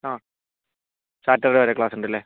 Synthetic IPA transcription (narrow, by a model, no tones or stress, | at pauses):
aː | saːʈːɐɾɽeʋɐɾekɭaːsuɳɖilːeː